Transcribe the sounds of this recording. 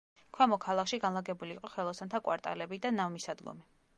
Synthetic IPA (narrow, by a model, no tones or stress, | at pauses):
kʰwɛmɔkʰalˠakʃiɡanlˠaɡɛbuliːqʼɔχɛlˠɔsant̪ʰakʼwa̰ɾt̪ʼa̰lɛbid̪anavmisad̪ɡɔ̰mi